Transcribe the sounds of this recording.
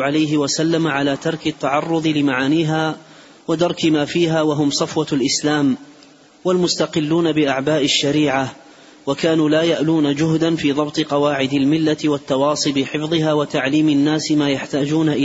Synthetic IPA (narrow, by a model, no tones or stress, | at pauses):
ʕalajɦɪwasalːamʕalaːt̪ɑɾˤkɪt̪ːaʕɑrˤːʊðˤɨlɪmaʕaːniːɦaː | wad̪ɑɾˤkɪmaːfiːɦaːwaɦʊmsˤɑfwɑlʔɪslaːm | walmʊst̪ɑqɪlːuːnabɪʔaʕbaːʔɪʃːaɾiːʕa | wakaːnuːlaːjaʔluːnad͡ʒʊɦd̪anfiːðˤɑbt̪ˤɨqɑwaːʕɪd̪almɪlːat̪wat̪ːɑwɑːsˤɨbɪħɪfðˤɨɦaːwat̪aʕliːmɪnːaːsmaːjaħt̪aːd͡ʒuːnaʔɪ